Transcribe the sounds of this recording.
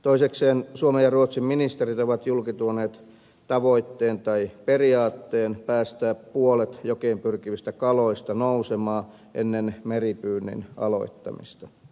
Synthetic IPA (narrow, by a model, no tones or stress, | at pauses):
t̪oisekseːnsuomejjɑruot̪simminist̪erit̪oʋɑt̪julkit̪uoneːt̪ | t̪ɑʋoit̪ːeːnt̪ɑiperiɑːt̪ːeːnpæːst̪æːppuolet̪jokeimpyrkiʋist̪ækɑloist̪ɑnousemɑː | ʔḛnːenmeripyːnːḭnɑ̰lo̰it̪ːɑ̰mḭst̪ɑ̥